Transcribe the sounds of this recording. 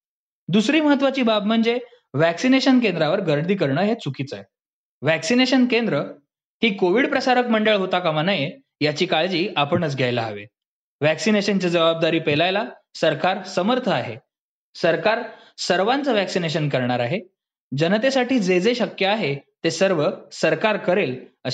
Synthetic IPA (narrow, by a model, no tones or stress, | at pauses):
d̪usɾiːməɦət̪ːʋat͡ɕiːbabm̤əɳd͡ze | ʋæksineɕənkend̪ɾaʋəɾɡəɾd̪ʱiːk̬əɾɳəɦet͡sukiːt͡saɦe | ʋæksineɕənkend̪ɾə | ɦiːkoʋiɽpɾəsaɾəkməɳɖəɭɦot̪akamanəje | jat͡ɕiːkaɭd͡ʑiːapəɳət͡sɡʱjajla̰a̰ʋḛ | ʋæksineɕənt͡ɕad͡zəʋab̚d̪aɾiːpelajla | səɾkaɾsəməɾt̪ʰəaɦe | səɾkaɾ | səɾʋãnt͡səʋæksineɕ̬ənkəɾɳaɾaɦe | d͡ʑənət̪̬esaʈiːd͡zed͡zeɕəkjəaɦet̪esəɾʋəsəɾkaɾkəɾelə